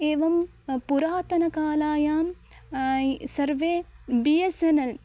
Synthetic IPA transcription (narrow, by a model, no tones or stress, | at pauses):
eːʋɐm | puɾaːt̪ɐnɐkaːlaːjaːm | sɐɾʋeːbijɐsɐnɐl